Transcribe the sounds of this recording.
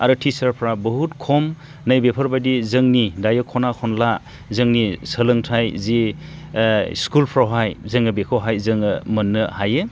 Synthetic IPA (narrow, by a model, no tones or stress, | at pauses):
aɾɯtʰisaɾpʰɾabɔɦutkʰɔm | nɯjbepʰɔɾbadizɯŋnidajɯkʰɔnakʰɔnla | zɯŋnisəlɯŋtʰajzi | skulpʰɾawɦajzɯŋɯbekʰɯwɦajzɯŋɯmɯnːɯhaje